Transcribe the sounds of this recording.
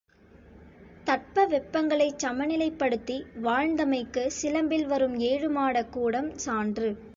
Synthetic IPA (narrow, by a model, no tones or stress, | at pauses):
t̪ɐʈ̚pɐʋɛpːɐŋɡɐɭɐɪt͡ʃːɐmɐnɪlɐɪpːɐɽɯt̪ːiʋaːɻnd̪ɐmɐɪkːɯsɪlɐmbɪlʋɐɾɯmeːɻɯmaːɽɐkːuːɽɐmsaːndrɯ